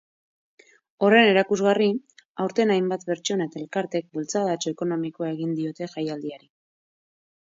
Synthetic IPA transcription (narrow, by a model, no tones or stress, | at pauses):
o̞re̞ne̞ɾakuzɣariawɾt̪e̞najmbat̪pe̞ɾt͡ʃo̞nae̞t̪ae̞lkaɾt̪e̞k̚bult͡saðat͡ʃoeko̞no̞mikoae̞ɣ̞ind̪io̞t̪e̞ʝajald̪iaɾi